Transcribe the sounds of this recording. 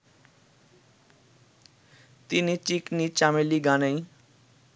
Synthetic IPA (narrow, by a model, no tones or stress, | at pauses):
t̪init͡ɕiknit͡ɕameliɡanəj